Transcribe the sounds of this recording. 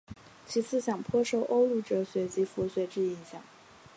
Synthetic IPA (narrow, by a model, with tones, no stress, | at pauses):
t͡ɕʰi˧˥t͡sʰɹ̩˥˩ɕjɑ˨˩ŋpʰwɔ˥ʂo˥˩ʊʔo˥ʊlu˧˥˩ʈ͡ʂɤ˨˧˥ɕɥɛ˧˥t͡ɕi˧˥fu˧˥ɕɥɛ˧˥ʈ͡ʂɻ̩˥˩i˧˥ŋɕjɑ˨˩˦ŋ